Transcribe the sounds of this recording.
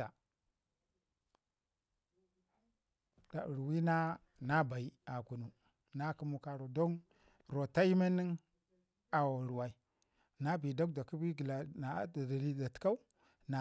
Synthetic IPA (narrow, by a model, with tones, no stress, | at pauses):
a˨ | d̥a˨ɾwi˦na˦ | na˦ba˨i˦a˨ku˨nu˨ | na˦ku˦mu˦ka˨ɾo˨do˦n | ɾo˨ta˦ji˦me˦nːi˦ŋ | a˨wa˨ɾu˨wa˨i˨ | na˦bi˨do˦kda˨ki˦bi˦ɡi˨la˨na˨˦dda˨li˦da˨tka˦u˦ | na˨